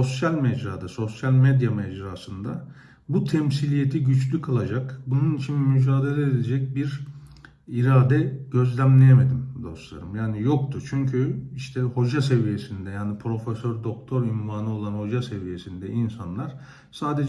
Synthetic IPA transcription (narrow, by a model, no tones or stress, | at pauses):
o̞sjalʲmɛd͡ʒɾaːd̪aso̞sjalʲmed̪jamɛd͡ʒɾaːsɯnd̪a̰ | but̪ʰɛmsilʲije̞t̪ʰiɟyt͡ʃlʲykʰalˠad͡ʒakbununit͡ʃʰinmyd͡ʒaːd̪e̞lʲeed̪ed͡ʒɛc̚biɾ | iɾaːd̪ɛɟ̥ø̞zlʲæmlʲe̞jeme̞d̪imd̪o̞̰slˠa̰ɾɯmjaːnijo̞kt̪ʰut͡ʃʰyɲcʰyiʃt̪ʰɛho̞d͡ʒase̞vije̞sind̪ɛjaːnipʰɾo̞fesøɾd̪o̞k̚t̪ʰo̞ɾynvaːnɯo̞lˠanho̞d͡ʒase̞vije̞sind̪ɛinsanlˠaɾ̥ | saːd̪e̞d͡ʒ